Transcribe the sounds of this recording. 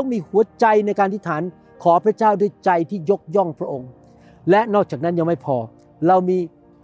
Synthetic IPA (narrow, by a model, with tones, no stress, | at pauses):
miː˧hu˨˩˦ɐt͡ɕa˧jna˧jkaː˧nt̪ʰi˥˩t̪ʰaː˩˦n | kʰɔː˩˦pʰɾa˧˥t͡ɕaː˥˩wdu˥˩əjt͡ɕa˧jt̪ʰiː˥˩jo˦˥k̚jɔ˥˩ŋpʰɾa˦˥ʔo˧ŋ | lɛ˦˥ʔnɔː˥˩k̚t͡ɕaː˨˩k̚na˦˥nja˧ŋma˥˩jpʰɔː˧ | ɾa˧wmiː˧